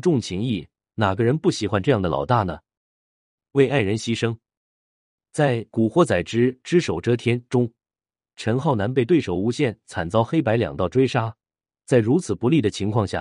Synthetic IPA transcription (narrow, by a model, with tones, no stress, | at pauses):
ʈ͡ʂʊ˥˩ŋt͡ɕʰi˧˥ŋi˥˩ | na˨˩ɡə˦ɻə˧˥npu˥˩ɕi˨˥xwa˥nʈ͡ʂɤ˥˧jɑ˥˩ŋd̪ə˩lɑ̰˨˩ʊt̪a˥˩nə˩ | we˥˧ɪa˥˩ɪɻə˧˥nɕi˥ʂɤ˥ŋ | t͡sa˥˩ɪku˨˩xwɔ˥t͡sa˨˩ɪʈ͡ʂɻ̩˥ʈ͡ʂɻ̩˥ʂo˨˩ʊʈ͡ʂɤ˥t̪ʰjɛ˥nʈ͡ʂʊ˥ŋ | ʈ͡ʂʰə˧˥nxɑ˥˩ʊna˧˥np̬e˥˧ɪt̪we˥˩ɪʂo˨˩ʊu˧˥ɕjɛ˥˩nt͡sʰa˨˩nt͡sɑ˥ʊxe˥ɪpa˧˥ɪljɑ̰˨˩ŋt̪ɑ˥˩ʊʈ͡ʂwe˥ɪʂa˥ | t͡sa˥˩ɪɻu˧˥t͡sʰɹ̩˨˩pu˧˥li˥˩d̪ə˩t͡ɕʰi˧˥ŋkʰwɑ˥˧ŋɕja̰˥˩